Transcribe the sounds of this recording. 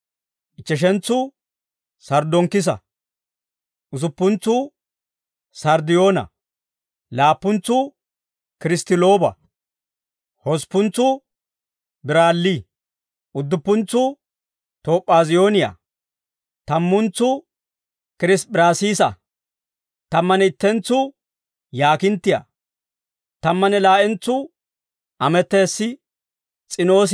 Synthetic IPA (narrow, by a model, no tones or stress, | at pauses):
ʔɪt͡ʃːɛʃ̬ɛnt͡sːʊ | sɐɾd̪ɔŋkːɪs̬ɐ̰ | ʔʊsʊpːʊnt͡sːʊ | sɐɾd̪ɪjo̞ːnɐ̰ | laːpːʊnt͡sːʊ | kɪɾɪst̪ɪlo̞ːbɐ̰ | hɔspːʊnt͡sːʊ | bɪɾaːlːi | ʔʊd̪ːʊpːʊnt͡sːʊ | t̪o̞ːpʼːaːzɪjo̞ːnɪja̰ | t̪ɐmːʊnt͡sːʊ | kɪɾɪsbɪɾaːsiːsɐ̰ | t̪ɐmːɐnɛɪt̪ːɛnt͡sːʊ | jaːkɪnt̪ːɪja̰ | t̪ɐmːɐnɛlaːʔɛnt͡sːʊ | ʔɐmɛt̪ːeːsːɪ | t͡sʼɪno̞ːs